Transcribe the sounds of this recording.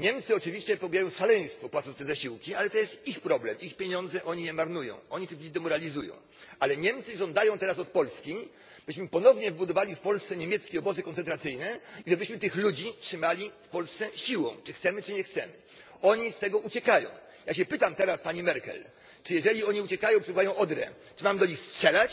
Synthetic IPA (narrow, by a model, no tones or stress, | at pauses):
ɲɛmt̪sɨɔt͡ʂɘvʲiɕt͡ɕɛpɔbʲjajɔ̃w̃fʂalɛj̃st̪fɔpwat̪sɔ̃t̪ɛzaɕiwkʲialɛt̪ɔjɛst̪ixpɾɔblɛmixpʲjeɲɔnd̪zɛʔɔɲijɛmaɾnujɔ̰̃w̃ɔɲit̪ɘxlud͡ʑid̪ɛmɔɾalʲizujɔ̰̃w̃ | alɛɲɛmt̪sɘʐɔnd̪ajɔ̃w̃t̪ɛɾasɔt̪̚pɔlskʲi | b̥ɘɕmɘpɔnɔvɲɛvɘbud̪ɔvalʲifpɔlst̪sɛɲemʲjɛt̪skʲɛɔbɔzɨkɔnsɛnt̪ɾat̪sɘjnɛiʐɛbɘɕmɘt̪ɘxlud͡ʑitʂɘmalʲifpɔlst̪sɛɕiwɔ̰̃w̃t͡ʂɘxt̪sɛmɘt͡ʂɘɲɛxt̪sɛmɘ | ɔɲist̪ɛɡɔʔut͡ɕɛkajɔ̰̃w̃ | jaɕɛpɘt̪amt̪ɛɾaspaɲimɛɾkɛ̰l | t͡ʂɘjɛʐɛlʲiɔɲiut͡ɕɛkajɔ̃w̃pʂɛbvajɔ̃w̃ʔɔd̪ɾɛ̰ | t͡ʂɘmamɘd̪ɔɲixstʂɛlat͡ɕ